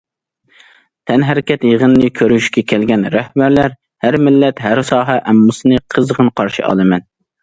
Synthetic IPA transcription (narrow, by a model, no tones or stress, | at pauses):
t̪ʰɛnɦæɾɪkʲɛt̪jəʁənnɨkʲʰøɾyyʃkʲɛkʲʰɛlɡʲɛnɾæhbæɾlæɾ | hæɾmɪlːɛt̪ɦæɾsɑːɦɛʔɛmːusɨnɨqʰəzʁənqʰɑɾʃḭʔɑ̰lˠɨmɛn